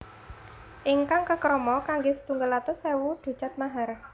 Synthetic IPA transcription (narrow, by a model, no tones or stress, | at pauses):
ʔiŋkaŋkəkɾɔmɔkaŋɡesə̥t̪uŋɡəlat̪əsewuɖ̪̥ṳ̥t͡ʃat̪̚maɦar